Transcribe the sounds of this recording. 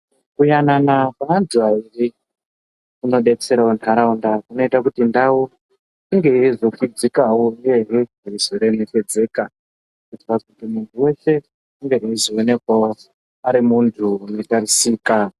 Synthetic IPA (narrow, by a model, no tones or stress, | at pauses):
kujananapaːnduairi | uno̞ɗepiseɾaunʰaɾaundakuno̞itakutindawo | iŋɡe̞iizo̞kid͡zikawoije̞ɦe | irizoɾemefe̞d͡ze̞ːka | kuziʋakutimuntʰuwe̞se̞ | uŋɡe̞ʔiizio̞ne̞kwao | aɾimuntʰuunetarisiːka